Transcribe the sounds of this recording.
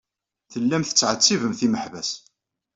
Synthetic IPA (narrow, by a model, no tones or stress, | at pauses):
θəlːæmθə̥t͡sːʕət͡sːivəmθiməħvæ̰s